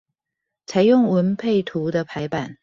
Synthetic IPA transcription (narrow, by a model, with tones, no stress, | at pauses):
t͡sʰa˧˥ɪjʊ˥˩ŋwə˧˥npʰe˥˩ɪt̪ʰu˧˥d̪ə˧pʰa˧˥ɪpa˨˩n